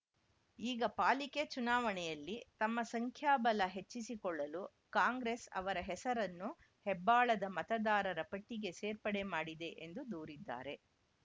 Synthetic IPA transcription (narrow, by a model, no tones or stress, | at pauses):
iːɡɐpaːliket͡ʃunaːʋɐɳɛjɐlːit̪ɐmːɐsɐŋkʰjaːbɐlɐɦet͡ʃːisikɔɭːɐlu | kaːŋɡɾe̞ːsɐ̰ʋɐɾɐɦɛsɐɾɐnːu | hɛbːaːɭɐd̪ɐmɐt̪ɐd̪aːɾɐɾɐpɐʈːiɡe̞seːɾpɐɽe̞maːɽid̪e̞ʔend̪ud̪uːɾid̪ːa̰ːɾe̞